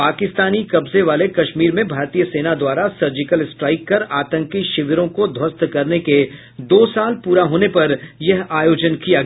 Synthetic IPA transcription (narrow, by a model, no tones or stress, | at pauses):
paːkɪst̪aːnikɐbzeʋaːlekɐʃmiːɾmẽbʱaːɾt̪ijəseːnad̪waːɾasɐɾd͡ʒɪkəlsʈɾaːɪkːɐɾaːt̪ə̃ŋkiʃɪʋɾõkod̪ʱwɐst̪kɐɾneke | d̪oːsaːlpuːɾaɦoːnepɐɾjɐɦaːjoːd͡ʒənkija